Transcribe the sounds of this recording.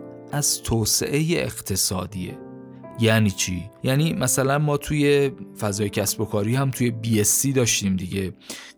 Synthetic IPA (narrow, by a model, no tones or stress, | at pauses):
ʔæz̥t̪ʰoːse̞̰ʔejeʔeɣt̪ʰe̞sɒ̰ːd̪iːḛ | jæniːt͡ʃʰḭːjæniːmʔæsælænmɒːt̪ʰuje̞fæzɒːjecʰæsbo̞kʰɒːɾiːhæmt̪ʰuje̞biesːiːd̪ɒːʃt̪iːmd̪iɟe̞